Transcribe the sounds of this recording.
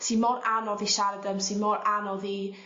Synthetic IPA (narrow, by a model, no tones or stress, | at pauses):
sinmɔranɔðiʃaɾədəmsinmɔɾanɔði